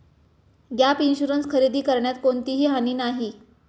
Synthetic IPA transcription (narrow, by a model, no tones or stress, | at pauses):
ɡjapinɕuɾənskʰəɾid̪iːkəɾɳjat̪̚koɳt̪iɦiːɦaniːnaɦi